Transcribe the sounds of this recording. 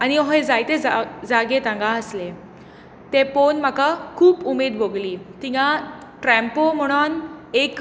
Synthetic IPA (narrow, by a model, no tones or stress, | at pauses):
añiɔɦed͡zajt̪ead͡zaɡet̪ãŋɡãəsle | t̪eponm̤akakʰuːpumed̪boɡliːt̪ĩɡã | ʈɾɛ̃mpom̤əɽ̃onek